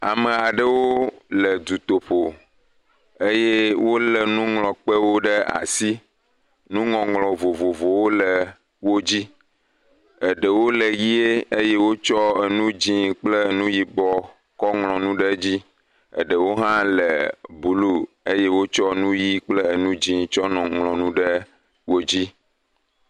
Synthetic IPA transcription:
a̰˨mə˨a˨ɖə˦wo˦lə˨d̪u˨t̪o˨ɸo˨ | e˦je˦wo˦lə˨nũ˦ŋlɔ̃˨k͡pə˦wo˦ɖə˦a̰˨si˦ | nũ˦ŋɔ̃˨ŋlɔ̃˨vo˨vo˨vo˨wo˦lə˨ | wo˦d͡ʑi˦ | ə˨ɖə˨wo˦lə˨ji˦e˦e˦je˦wo˦t͡ʃɔ˦e˨nũ˦d͡ʑĩ˦k͡ple˦nũ˦ji˦bɔ˨ | kɔ˦ŋlɔ̃˨nũ˦ɖɛ˦d͡ʑi˦ | ə̰˨ɖə˨wo˦ɦã˦lɛ˨bu˨˦lu˦ | e˦je˦wo˦t͡ʃɔ˦nũ˦ji˦k͡ple˦e˨nũ˦d͡ʑĩ˦t͡ʃɔ˦nɔ̃˨ŋlɔ̃˨nũ˦ɖɛ˦ | wo˦d͡ʑi˦

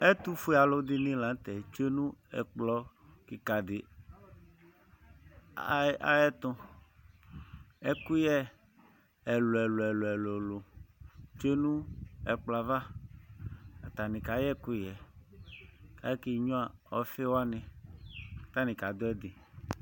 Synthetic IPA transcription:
ɛ˦t̪u˦fu˦˨a˨lo˦d̪ɪ˦nɪ̃˦lã˨˦n˦t̪ɛ˨t͡ʃe˦nũ˦ɛ̰˨k͡plɔ˦ | ki˨ka˨d̪ɪ˨ | a˦a̰˦ɛ˦t̪ʊ̃˦ | ɛ˦ku˦jɛ˦ | ɛ˨lo˨ɛ˨lo˨ɛ˨lo˨ɛ˨lo˨lo˨ | t͡ʃe˦nũ˦ɛ˨k͡pla˨va˦ | a˨t̪a˨nɪ̃˨ka˨˦jɛ˦ku˦jɛ˨ | ka˨jɛ˦ki˦ɲũ˦a˨ɔ˨˦fe˦wo˦a˦nɪ̃˨ | t̪a˦nɪ̃˨ka˨d̪ʊ˦ɛ˦d̪ɪ˨

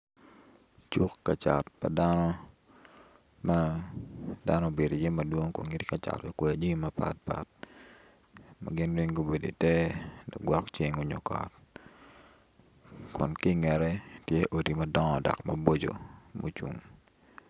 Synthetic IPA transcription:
t͡ʃu˦kːa˨t͡ʃa˨t̚pa̰˨da˦nɔ˦ | ma˦ | da˦nɔ˦be˨do˨je˦mɐ˨dwo˦ŋko̰˨ŋi˦tika˨t͡ʃa̰˨ti˨ke˨a˨d͡ʒi˦mɐ˦pa̰˦t̚pa̰t̚ | ma̰˨ɡɪ˦nwi˦ŋɡo˦be˨do̰˨tɛ˦dɔ̰˨kɡwɔ˦kt͡ʃe˦ŋo˦ɲo˨kɔ̰˨t̚ | kʰʊ˨nki˦ŋɛ˨ɾɛ˦tje˦ʔo˨di˨mɐ˦dɔ˦ŋɔ˨dɔ̰˨kmɐ˦bo˦d͡ʒo̰˨mʔo̰˨t͡ʃṵ˨ŋ

